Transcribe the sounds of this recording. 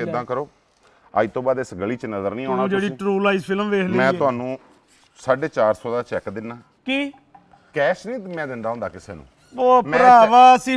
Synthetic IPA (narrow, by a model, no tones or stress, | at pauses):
eːd̪ãːkəɾoː | a̰ːiːt̪õːbaːd̪ɪsɡəɭiːt͡ʃnəzəɾnĩːãːad͡ʒeːɽiːʈɾuːlaːizpʰɪlmʋeːkʰlːmɛ̃ːt̪ʊɦaːnũː | saːɖeːt͡ʃaːɾsɔːd̪aːt͡ʃɛːkd̪ɪnːaː | kiː | kɛːʃnĩːd̪ɪmãːd̪ɪnd̪aːɦõnd̪aːkɪseːnṵ̃ː | oːpmə̃ɾaːʋaːəsĩː